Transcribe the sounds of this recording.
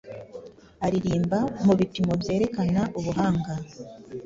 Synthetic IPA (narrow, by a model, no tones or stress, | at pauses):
aɾiɾiːmbamuβipimo̞bje̞ːɾe̞kanaʔuβuɦaːŋɡa